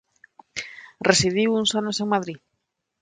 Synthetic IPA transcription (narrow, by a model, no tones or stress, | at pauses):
resið̞iwuŋsanosẽŋmaðɾi